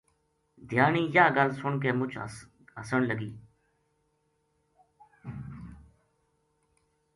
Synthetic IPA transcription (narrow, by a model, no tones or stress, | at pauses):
d̪ʱjaːniːjaːɡəlsʊɳk̬eːmʊt͡ʃʰ | ɦəsəɳləɡiː